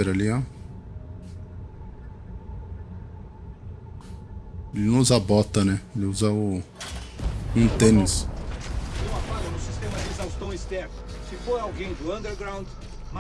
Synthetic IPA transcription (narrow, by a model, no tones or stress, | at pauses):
eɾalia | elɪnʊ̃zabɔt̪ɐnɛelɪuzɐʊ | ũt̪ẽnis | kõw̃aɡɔɾɐnʊsist̪ẽmɐlizawʊst̪õw̃st̪ɛɾt̪ʊ | sɪfoɾawɡẽj̃d̪ʊɐ̃nd̪eɾɡɾãw̃d̪ | ma